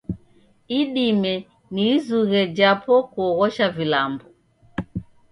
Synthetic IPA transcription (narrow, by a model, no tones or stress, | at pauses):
iɗimɛ | niːzuɣɛd͡ʒapɔkuɔɣɔʃavilambɔ